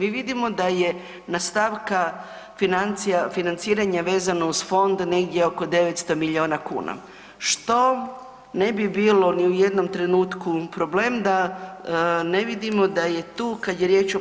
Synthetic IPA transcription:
miːʋid̪imo̞d̪aje̞ | nast̪aʋka | finant̪sijafinant̪siːɾaɲaʋeːzanouzfo̞nd̪ne̞ɡd̪jeo̞ko̞d̪e̞ʋet̪st̪o̞miʎio̞ːnakṵːna̰ | ʃt̪o̞ | ne̞bibiːlo̞niuje̞d̪no̞mt̪ɾe̞nuːt̪kupɾoble̞ːmd̪a | ne̞ʋid̪imo̞d̪aje̞t̪uːkad̪jeɾje̞ːt͡ʃo

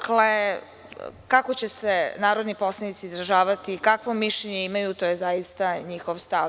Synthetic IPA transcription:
kle | kakot͡ɕesenaːɾo̞d̪nipo̞slˠanit̪siːzɾaʒaːʋat̪ikakʋo̞miʃʎeɲeimajut̪oːjezajist̪aɲixo̞ʋst̪a

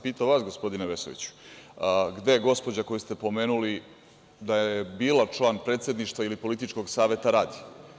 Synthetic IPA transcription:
piːt̪aʋaːsɡo̞spo̞d̪ineʋeso̞ʋḭt͡ɕu̥ | ɡd̪e̞ɡo̞spo̞d͡ʑako̞jist̪e̞po̞me̞ːnuli | d̪ajjebiːlat͡ʃlˠaːnpɾet̪sʲe̞d̪niʃt̪vʋailipo̞lit̪it͡ʃko̞ɡsaːʋe̞t̪aɾaːd̪i

